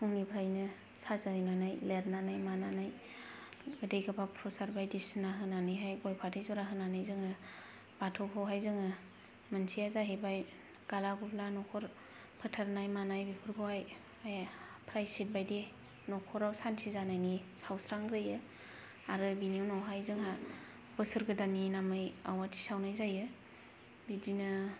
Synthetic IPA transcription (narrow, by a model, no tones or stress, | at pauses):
sʰuŋnipʰɾajnɯ | sʰazaɯjnanajleɾnanajmananaj | ɡɯdejɡɯbapʰɾɔsaɾbajdisɯnaɦɯnanɯjɦajɡɔjpʰatʰɯjzɔɾaɦɯnanajzɯŋɯ | b̥atʰɔpʰɔwɦajzɯŋɯ | mɯnsʰijazaɦebaj | ɡ̥alaɡupʰlanɔkʰɔɾ | pʰɯtʰaɾnajmanajbipʰɯɾpʰɯwhaj | ajapʰɾajsit̚bajde | nɔkʰɔɾawsansizanajnisawsɾaŋɡɾɯjɯ | aɾɯbiniwnawɦajzɯŋɦa | bɯsɯɾɡɯdaninamɯja̰watʰi̥sawnajzajɯ | bidinɯ